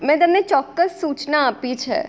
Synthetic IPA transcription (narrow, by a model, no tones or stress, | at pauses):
mɛ̃ːt̪əmnet͡ʃɔːkːəsːuːt͡ʃnaːpit͡ʃʰḛ